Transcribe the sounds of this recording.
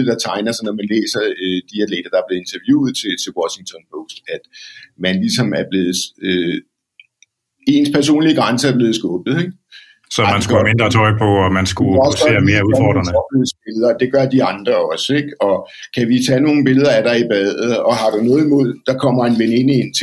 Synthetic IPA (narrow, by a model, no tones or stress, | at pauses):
d̥ɑ̈t͡sʰɑ̈ɪnɐsɑnɒmænlḛːsɐd̥iæled̥ɐd̥ɑ̈b̥le̝e̝nt͡sʰɐʋjṵːð̩ˠt͡sʰe̝t͡sʰe̝lwɒɕiŋt͡sʰɒ̽npʰɔːsd̥æd̥mænlisɒ̽mæɐb̥le̝ːð̞̩ˠø | e̝ːnspʰæɐs̬o̝̰ːnliəɡ̥ʁɑ̈nsəæɐb̥le̝ːð̞̩ˠsɡ̥ɔ̽ːb̥ð̩ˠeɡ̥̚ | sɒmænsɡ̥ume̝nd̥ʁɐt͡sʰɒ̽ɪ̰pʰɒ̽ɒmænsɡ̥uɒse̝̰ːɐme̝ːɐuðˠfɒ̰d̥ʁɐnəɒb̥ð̩sb̥e̝lð̩ˠɐd̥e̝ɡ̥ɶɐd̥iɑ̈nd̥ʁɐɒ̽seɡ̥ɒ̽kʰæʋit͡sʰɛ̰ːno̝ːn̩b̥e̝ləð̞ˠɐæɾ̥ɑ̈ib̥ɛð̰ˠð̩ˠɒ̽ɦɑ̈ɾ̥unɔ̽ːð̩ˠimo̝ð̰ˠd̥ɑ̈kʰɒ̽m̰ɐenʋene̝n̰ienʰe